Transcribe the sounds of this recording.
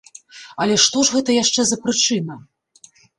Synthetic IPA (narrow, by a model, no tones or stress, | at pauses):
ɐlʲɛʂt̪ɔʐɣɛt̪ɐjaʂt͡ʂɛzɐpɾɨt͡ʂɨnɐ